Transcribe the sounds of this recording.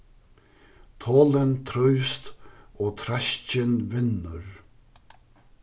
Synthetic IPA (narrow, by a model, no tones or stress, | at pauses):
t̪ʰoːlɪnt̪ʰɾœjst̪ɔːt̪ʰɾaʃcɪnvɪnːʏɾ